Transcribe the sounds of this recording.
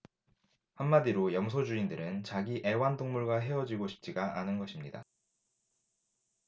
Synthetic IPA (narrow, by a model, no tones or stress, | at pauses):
hamːadiɾojʌmsʰod͡ʑuindɯɾɯnt͡ɕaɡiʔe̞wandoŋmuɭɡaɦe̞wʌd͡ʑiɡoɕʰi̥p̚t͡ɕ͈iɡaʔanɯnɡʌɕʰimɲida̰